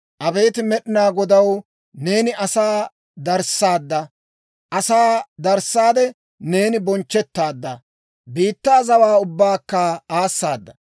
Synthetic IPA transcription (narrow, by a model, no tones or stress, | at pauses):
ʔɐbeːt̪ɪmɛɗɪnaːɡɔd̪ɐw | ne̞ːnɪʔɐsaː | d̪ɐɾsːaːd̪ːɐ | ʔɐsaːd̪ɐɾsːaːd̪ɛ | ne̞ːnɪbɔnt͡ʃːɛt̪ːaːd̪ːɐ | biːt̪ːaːzɐwaːʊbːaːkːɐaːsːaːd̪ːɐ